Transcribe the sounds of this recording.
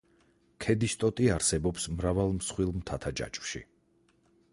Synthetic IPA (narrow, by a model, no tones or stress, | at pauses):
kʰɛd̪ist̪ʼɔt̪ʼiaɾsɛbɔpsmɾavalˠmsχwilˠmt̪ʰat̪ʰad͡ʒa̰t͡ʃʼv̥ʃḭ